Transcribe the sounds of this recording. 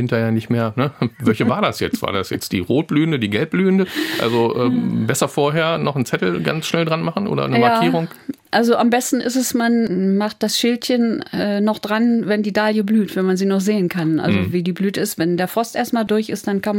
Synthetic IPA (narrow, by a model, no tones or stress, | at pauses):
ɪntɐheːɐnɪçtmeːɐnəvɛlçəvaːɐdasjɛt͡stv̥a̰ːɐda̰sjɛ̰t͡std̥ḭːʁoːt̚b̥lyːəndədiːɡɛlp̚b̥lyːəndəʔʔa̰lzoʔɛːbɛsɐfoːɐɦeːɐnɔχn̩t͡sɛtl̩ɡa̰nsʃnɛldʁanmaχn̩ʔo̰ːdɐ̰nəjmaaːiːʁʊŋʔalzoʔambɛstn̩ʔɪsɛsmanmaχt̚d̥asʃɪltçənɛːnɔχd̥ʁanvɛndiːdaljəblyːtv̥ɛnmanziːnɔχz̥eːənkʰanʔa̰lzoviːdiːblyːtəɪstvɛndeːɐfʁ̥ɔstʔeːɐst̚maːldʊɐçɪstd̥ankan